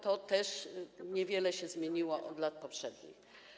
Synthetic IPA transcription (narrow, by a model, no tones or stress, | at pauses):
t̪ɔt̪ɛʂɲɛvʲjɛlɛɕɛzmʲjeɲiwɔʔɔd̪lat̪̚pɔpʂɛd̪ɲḭx